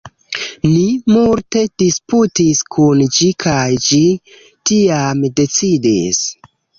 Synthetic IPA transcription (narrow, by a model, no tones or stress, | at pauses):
nimulte̞d̥isputiskʰund͡ʒikʰajd͡ʒi | tiamde̞t͡sidis